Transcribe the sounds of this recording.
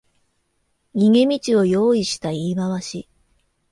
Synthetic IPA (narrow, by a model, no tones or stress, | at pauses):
ɡʲiŋe̞mʲit͡ɕio̞jo̞ːiɕi̥t̪aiːbaβaɕi